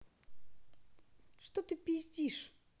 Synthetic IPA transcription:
ʂt̪ot̪ɨpʲɪzʲdʲiʂ

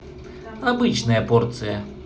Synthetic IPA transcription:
abɨt͡ʃnɐjɐpɔrt̪sɨjɐ

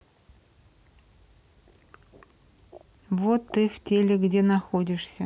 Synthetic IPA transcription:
vot̪ːɨftʲelʲɪɡdʲe̞nɐxodʲɪʂsʲə

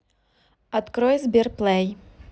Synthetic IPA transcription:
ɐt̪kɾɔjzʲbʲirplˠɛj

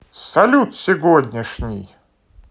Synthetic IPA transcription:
sɐlʲut̪sʲɪvod̪ʲnʲɪʂnʲɪj

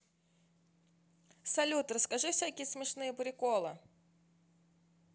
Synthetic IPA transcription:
sɐlʲut̪rəskaʐɨfsʲakʲɪjəsmʲɪʂnɨjəpɾʲɪkɔlˠɨ

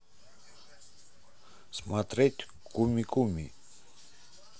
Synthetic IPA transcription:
smat̪ɾɛt̪ʰ | kʼumikʼumi

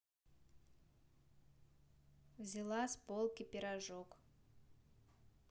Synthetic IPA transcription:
vzʲilˠaspolˠkʲipʲɪɾaʐok

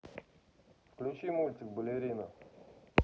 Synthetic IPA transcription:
fklʲut͡ɕimulʲt͡s̪ʲɪk̚bəlʲeɾʲinə

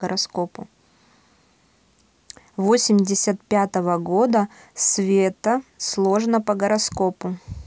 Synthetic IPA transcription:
əɾɐsko̞pʊ | vo̞sʲɪmʲdʲɪsʲət̪̚pʲat̪əvəɡo̞d̪ə | svʲet̪əslˠo̞ʐnəpəɡəɾɐsko̞pʊ

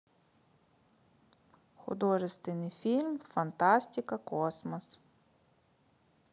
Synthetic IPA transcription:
xʊ̰d̪ɔʒɪst̪ʋɪnɪjfʲilʲmfɐnt̪ɑsʲtʲɪkɐkɔsmɔs

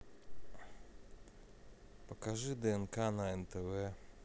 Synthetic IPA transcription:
pɔkaʐɨd̪ɛɛnkanaɛnt̪ɛvɛ

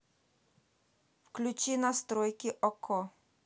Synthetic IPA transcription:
fklʲut͡ɕinast̪ɾɔjkʲiʔɔkʰɔ

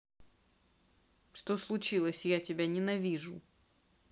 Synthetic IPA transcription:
ʂt̪oslˠʊt͡ɕilˠəsʲjatʲɪbʲanʲɪnɐvʲiʐʊ

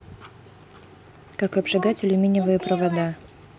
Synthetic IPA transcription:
kakɐbʐɨɡatʲɪlʲʊmʲinʲɪvəjəpɾəvɐd̪a

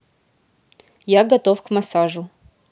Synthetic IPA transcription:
jaɡɐt̪ofkmasaʐʊ

